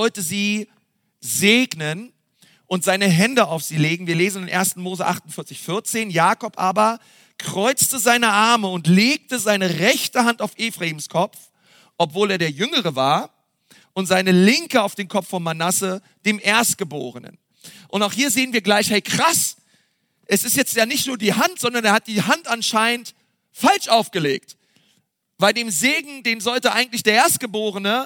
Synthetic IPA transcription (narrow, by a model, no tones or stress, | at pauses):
vɔltəziː | zeːɡnən | ʔʊntz̥aɪnəɦɛndəaʊfz̥iːleːɡŋ̩viːɐleːzn̩ɪnʔḛːɐstn̩moːzəʔa̰χtʊntfɪɐt͡sɪçfɪɐt͡seːnjaːkɔpʔaːbɐ | kʁ̥ɔʏt͡stəzaɪnəʔaɐməʊntleːk̚təzaɪnəʁɛçtəɦantaʊfʔeːfʁ̥aiːmskʰɔpp͡f | ʔɔpv̥oːleːɐɾeːɐjʏŋəʁ̞əvaːɐ | ʔʊntz̥aɪnəlɪŋkəaʊfd̥eːnkʰɔp͡fffɔnmanasə | d̥eːmʔeːɐst̚ɡ̥əbo̰ːʁənə̰n | ʔʊntaʊxhiːɐzeːənviːɐɡlaɪçhɛɪkʁ̥as | ʔɛsɪstjɛt͡stjaːnɪçtnuːɐdiːhantz̥ɔndɐneːɐhat̚d̥iːɦantʔanʃaɪnənt | falʃʔaʊfɡ̥əlḛːk̚t | v̥aɪldeːmzeːɡŋ̩deːmzɔltəʔa̰ɪɡŋ̩tlɪçd̥eːɐʔeːɐst̚ɡ̥əboːʁənə